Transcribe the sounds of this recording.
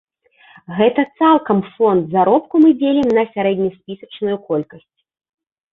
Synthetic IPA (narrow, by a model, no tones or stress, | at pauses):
ɣɛt̪ɐt̪salˠkɐmfɔnd̪zaɾɔp̚kumɨd͡zʲelʲimnɐsʲaɾɛd̪ʲnʲɐjsʲpʲisɐt͡ʂnujukɔlʲkɐsʲt͡sʲ